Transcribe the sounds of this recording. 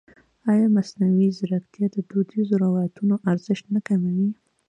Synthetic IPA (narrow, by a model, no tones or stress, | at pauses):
ajamasnawizɪɾakt̪jad̪əd̪ud̪izoɾawajat̪unoʔaɾzɪʃt̪nakamawi